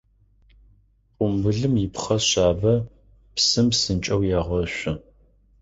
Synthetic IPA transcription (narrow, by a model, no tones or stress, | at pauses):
ʊmbɨɮɨmjɪpχɐɕaːbɐ | psɨmsɨnt͡ʃʼɐwjaːʁɐɕʷʊ